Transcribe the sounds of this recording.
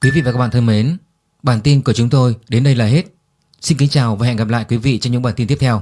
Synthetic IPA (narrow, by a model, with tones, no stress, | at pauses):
kwi˨˦vḭ˧˨vaː˨˩kːa˦˥ɓaː˧˨t̪ʰə˧me˨˦n | ɓaː˧˩nt̪i˧nku˧˩ət͡ɕʊ˨˦ŋ͡mt̪o˧jɗe˨˦nɗə˧jlaː˨˩ɦe˦˥t̚ | si˧nki˨˦ŋt͡ɕaː˨˩wvaː˨˩ɛ̰˧˨nɣa˨˩p̚la̰ː˧˨jkwi˨˦vḭ˧˨t͡ɕɔ˧wŋ͡mɲɨ̰˧˥ŋɓaː˧˩t̪i˧t̪i˦˥p̚t̪ʰɛ˧w